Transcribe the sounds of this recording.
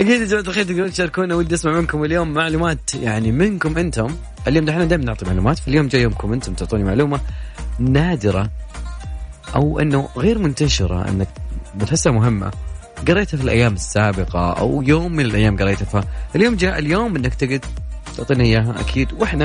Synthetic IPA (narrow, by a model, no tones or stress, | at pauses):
ʔakiːd̪amat̪axiːɾt̪ɪɡɾiːʃɑɾˤkuːnawɪd̪ːʔɪsmaʕmɪnkʊmɪljoːmːaʕluːmaːt̪jaʕnimɪnkʊmʔɪnt̪ʊm | ʔɪljoːmd̪ħnad̪aːjɪmanʊʕt̪ˤimaʕlṵːmaːt̪faljoːmd͡ʒaːʔjoːmkʊmʔɪnt̪ʊmt̪ʊʕt̪ˤiːnimaʕluːmanaːd̪ɪɾˤɑ | ʔa̰wʔɪ̰nːʊɣeːɾmʊnt̪aʃɪɾˤɑ̰ʔɪ̰nːak̚mʊt̪ħɪsːamʊɦɪmːa̰ | ɡɑɾˤːeːt̪hafilʔa̰jːaːmɪsːaːbɪqɑ̰ʔa̰wjoːmːɪnɪlʔajːaːmɡɑɾˤejt̪afhaʔɪljoːmd͡ʒaːʔɪljoːmʔɪnːakt̪ɪɡɪd̪̚t̪ʊʕt̪ˤiːnʔɪjːaːɦaʔa̰kʰiːd̪wʔɪħna